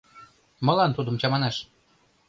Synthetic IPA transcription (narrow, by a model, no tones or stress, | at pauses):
mɤ̆lɑnt̪ud̪ə̆mt͡ɕɑmɑnæʃ